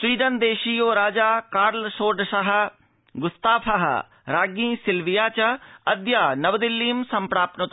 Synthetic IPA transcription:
swiːɖənd̪eːʃijoːɾaːd͡ʒaːkaːɾlsoːɖʃaɦ̆ | ɡʊst̪aːfʰaɦ | ɾaːɡĩːsɪlʋijaːt͡ɕɐɐd̪jaːnɐʋd̪ɪlːiːmsɐ̃mpɽaːp̪̚nʊt̪

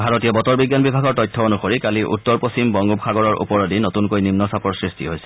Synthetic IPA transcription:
bʱaɹotijɔbɔtɔɹbiɡːjanbibʱaɡɔɹtɔjtʰːɔonuxoɹikaliʔṵtːɔɹpost͡ɕimbɔŋɡubxaɡɔɹɔɹʔṵpɔɹɔdinotunkojnimnɔsapɔɹsɹistḭɦojsɛ̥

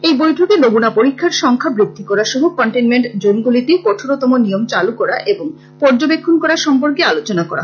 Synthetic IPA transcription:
ejbojʈʰokenoɡunapoɾikʰːaɾʃɔŋkʰabɾit̪ːikɔɾaʃɔɦokɔɳʈenmeɳʈd͡ʑonɡulit̪ekɔʈʰoɾot̪ɔmonijomt͡ɕalukɔɾaʔeboŋ | pɔɾd͡ʑobekʰːonkɔɾaɾʃɔmpoɾkealot͡ɕonakɔɾa̰

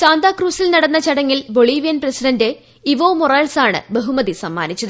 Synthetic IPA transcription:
t͡ɕaːnd̪aːkruːsilnɐɽɐnːɐt͡ɕɐɽɐŋːilbo̞ɭiːʋijɐnprɐsiɖɐnde̞ | iʋoːmoraːlsaːɳɨ̰bɐɦumɐðisɐmːa̰ːnit͡ɕːɐðɨ

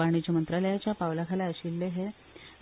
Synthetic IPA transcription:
aɽ̃id͡ʑəmənt̪ɾaləjat͡ɕjapaʋlakʰalaəɕilːeɦe

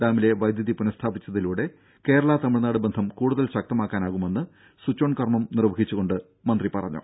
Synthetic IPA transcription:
daːmile̞ʋɐjd̪ʱjɐðipunɐst̪ʰaːbit͡ɕːɐðiluːɽe̞ | ke̞ːɾɐɭat̪ɐmiɻnaːɽɨbend̪ʱɐmkuːɽuðɐlɕɐk̚t̪ɐmaːkːaːnaːɣume̞nːɨ | sut͡ɕːoːɳkɐrmɐmnirʋɐɦit͡ɕːuɣo̞ɳɖɨ | mɐnd̪ripɐrɐ̰ɲːṵ

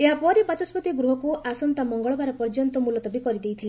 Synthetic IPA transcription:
eɦapɔɾepãt͡ʃɔsbɔt̪iɡɾuɦɔkuasɔnt̪amɔŋɡɔɭɔbaɾɔpɔɾd͡ʒɔnt̪ɔmulɔt̪ɔbikɔɾid̪ejt̪ʰile

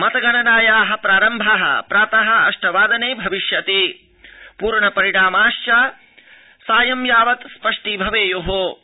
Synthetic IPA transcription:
mɐt̪ɐɡɐnɐnaːjaːɦɐ̆pɾaːɾɐmbʱɐɦɐ̰pɾaːt̪ɐɦɐ̆ɐ̰ʂʈɐʋaːd̪ɐneːbʱɐʋiʃjɐt̪e | puːɾɳɐpɐɾiɽaːmaːʃjaː | saːjɐmjaːʋɐt̪spɐʂʈibʱɐʋeːjoɦo

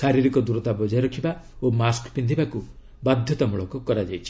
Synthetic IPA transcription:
ʃaɾiɾikɔd̪uɾɔt̪abɔd͡ʒɔjɔɾɔkʰibaomaskpind̪ʱibaku | bad̪ʱjɔt̪ɔmuɭɔkɔkɔɾad͡ʒajt͡ʃʰi̥

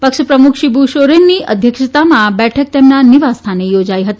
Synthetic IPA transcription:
pəkʃəpɾəmukʰʃibuʃoɾenːiəd̪ʱjəkʃət̪amãbɛʈʰək̚t̪emnaniʋast̪ʰanejod͡ʒaiɦət̪i

